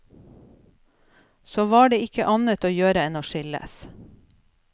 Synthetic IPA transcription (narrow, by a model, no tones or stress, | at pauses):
soːʋɑːɖeːɪkəʔɑnət̪oːjøːɾəɛnoːʃɪlə̰s